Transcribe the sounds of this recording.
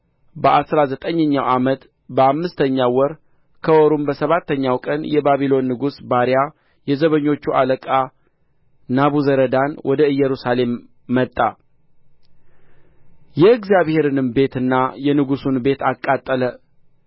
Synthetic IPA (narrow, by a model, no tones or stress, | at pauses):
bəʔasɾazət̪ʼəɲːəɲːawʔamət̪ | bəamːɨst̪ʰəɲːawːɔɾ | kʰəwɔɾumbəsəβat̪ːəɲːawkʼənjɛbaβilo̞nːɨɡusbaɾja | jɛzəβəɲːo̞t͡ʃːualəkʼa | naβuzəɾəd̪anwʔɔd̪əɨjːɛɾusale̞mː | ət̪ʼːa | jɛɨɡzijaβhe̞ɾɨnɨmbe̞t̪ɨnːajɛnɨɡusunbe̞t̪akʼːat̪ʼːələ